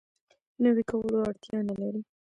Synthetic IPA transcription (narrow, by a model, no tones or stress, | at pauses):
nəwikawəloaɽt̪jɑnalaɾi